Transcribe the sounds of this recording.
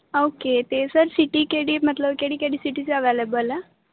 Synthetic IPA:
oket̪esəɾsiʈiːkeɽiːmət̪ləbkeɽiːkeɽiːsiʈit͡ɕeəʋelebəl

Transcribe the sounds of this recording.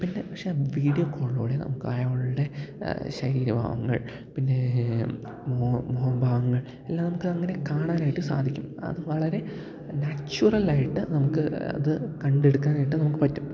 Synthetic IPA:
pinːe̞pɐkʂeʋiːɽijokʰːoːɭːoːɽenɐ̰mukːɨaːjaːʋuɭuɽe̞ɕɐɾiːɾɐbʱa̰ːʋɐŋːɐ̰ɭ | pinːe | momoːɦɐmbʱaːʋɐŋːɐɭ | elːaːmnɐmukːɨɐŋːɐne̞kaːɳaːnaːjiʈːɨsa̰ːd̪ʱikʲːumɐ̰ðɨʋɐɭɐɾe̞ | nat͡ɕːurɐlaːjiʈːɨnɐmukːɨɐ̰ðɨkɐɳɖe̞ɽukːaːnaːjiʈːɨnɐmukːɨpɐtːum

